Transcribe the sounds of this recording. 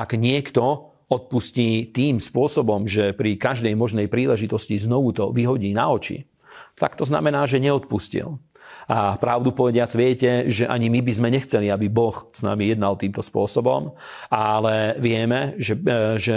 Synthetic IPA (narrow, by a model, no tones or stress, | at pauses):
aɡɲɪɛkt̪ɔ | ɔt̪̚pusciːt̪iːmspʊɔsɔbɔmʒɛpɾikaʒd̪ɛjmɔʒnɛjpɾiːlɛʒit̪ɔsciznɔʋut̪ɔʋiɦɔɟiːna̰ɔt͡ʃḭ | t̪a̰kt̪ɔzna̰mɛnaːʒɛɲɛɔt̪puscḭl | apɾaʊd̪upɔʋɛɟɪad͡zʋɪɛcɛʒɛʔaɲimibizmɛɲɛxt͡sɛliabibɔxsna̰mijɛd̪nalt̪iːmt̪ɔspʊɔsɔbɔm | alɛʋɪɛmɛʒɛʒɛ